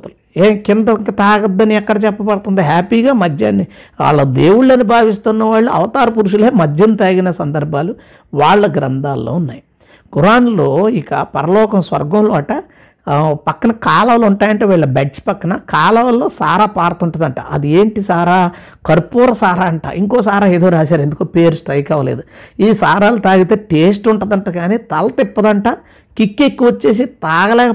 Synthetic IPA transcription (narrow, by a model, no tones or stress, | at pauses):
t̪ulueːkind̪ɐŋkɐt̪aːɡɐd̪ːɐniɛkːɐɽɐt͡ʃɛpːɐpɐɽt̪und̪iɦaːpiːɡaːmɐd͡ʒɐnia̰ːɭːɐːd̪e̞ːwuɽɐnubʱaːʋis̬t̪unːɐʋaːɭːuɐ̰ʋɐt̪aːɾɐpuɾuʂuleːmɐd͡ʒːɐnt̪aːɡinɐsɐnd̪ɐɾbʱaːlu | ʋaːɭːɐɡɾɐnd̪ʱaːlːo̰ːunːa̰ːji | ɡuɾaːnloːikɐ̰pɐɾɐlɔːkɐmsʋɐ̰ɾɡɐmloːʈɐ | pɐkːɐnɐkaːlɐʋɐluɳʈaːjɐɳʈeːʋiːɭɐbeʈt͡ʃpɐkːɐnɐkaːlɐʋɐlːo̞ːsaːɾaːpaːɾɐt̪uɳʈɐnd̪ɐɳʈa̰ːʔɐd̪ieːɳʈisaːɾaː | kɐɾpoːɾɐsaːɾaːɐɳʈa̰ʔiŋkoːsaːɾaːe̞ːd̪o̞ːɾaːs̬aːɾend̪ukoːpe̞ːɾusʈɾɐjkɐʋɐlḛːd̪uiːsaːɾaːlut̪aːɡit̪eːʈeːs̬ʈuɳʈɐd̪ɐɳʈaːɡaːniːt̪ɐlɐt̪epːɐd̪ɐɳʈaː | kikːekːiʋɐt͡ʃːe̞ːs̬it̪aːɡɐlɛːkɐ